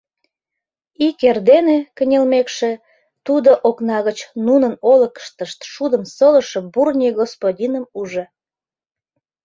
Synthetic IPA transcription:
ikerd̪enekənʲelmekʃe | t̪ud̪oʔoknɑɣət͡ɕnunənoləkə̥ʃt̪əʃt̪ʃud̪əmsələ̆ʃə̆burnʲijɡospodʲinəmuʒe

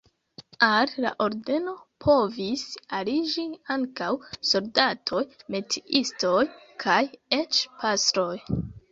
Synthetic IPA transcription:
alla̰ʔo̞ɾde̞no̞pʰo̞visalid͡ʒiaŋkawsoldatʰo̞jme̞tiʔisto̞j | kʰaje̞t͡ʃpʰastɾo̞j

